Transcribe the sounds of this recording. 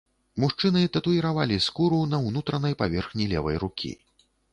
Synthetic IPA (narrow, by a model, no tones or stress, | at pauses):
muʂt͡ʂɨnɨt̪ɐt̪uiɾavalʲiskuɾunɐwnut̪ɾɐnɐjpavʲɛrxnʲilʲɛ̰vɐ̰jrukʲʰḭ